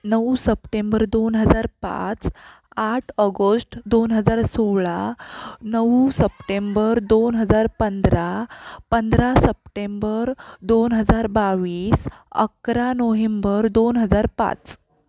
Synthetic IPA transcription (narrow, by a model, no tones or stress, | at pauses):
nəusəpʈembəɾd̪onɦəd͡zaɾpa̰t͡s | aʈʰəɡosʈd̪onɦəd͡zaɾsoɭanəʋusəpʈembəɾd̪onɦəd͡zaɾpənd̪ɾapənd̪ɾasəp̚ʈembəɾd̪onɦəd͡zaɾbaʋiːsə̰kɾanoɦembəɾd̪onɦəd͡zaɾpa̰t͡s